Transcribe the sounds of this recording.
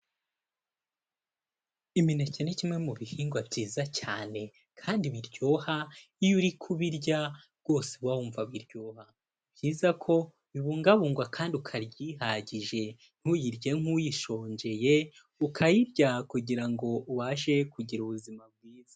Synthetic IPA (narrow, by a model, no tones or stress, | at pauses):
iminecenecimŋe̞muβihiːŋɡwabɟiːzacaːne̞ | kʰaːndiβiɾɟo̞ːhaijuɾikʰuβiɾɟa | ɡ̥o̞ːseβwauːɱvaβwiɾjoːha | bjiːzakʰo̞ | βiβuːŋɡaβuːŋɡwakʰaːndiukʰaɾɟiɦaɟiʒe̞ | n̥hujiɾɟe̞ŋ̥ujiʃo̞ːɲɟe̞je̞ | ukʰajiɾɟakuɟiɾaŋɡo̞uβaʃe̞kuɟiɾuβuzimab̚ɡwiːz̥a